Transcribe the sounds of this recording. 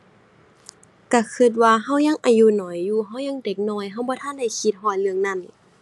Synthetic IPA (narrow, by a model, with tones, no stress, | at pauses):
ka˧˩kʰɯ˧˩t̪̬̚waː˧ɦa˧˩˨wɲa˧˥˨ŋʔa˧˩juː˧˨nɔː˨˦jːuː˧˦ɦa˧˩wɲa˧˥˨ŋde˧˦k̚nɔː˧˩˨jɦa˧˩wbɔː˧˦t̪ʰa˧˥˨da˧˩˨jkʰi˧˦t̪̚ɦɔː˧˩jlɯ˧˨əŋna˧˩˨n